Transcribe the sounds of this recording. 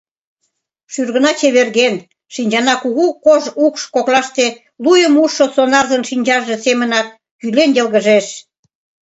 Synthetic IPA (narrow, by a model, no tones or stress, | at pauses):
ʃyrɣə̆nɑt͡ɕeβerɣen | ʃinʲd͡ʑɑnɑkuɣukoʒukʃkoklɑʃt̪e | lujəmuʃosonɑrzənʃinʲd͡ʑɑʒe̽semənɑk̪̚ː | ylenjəlɣəʒeʃ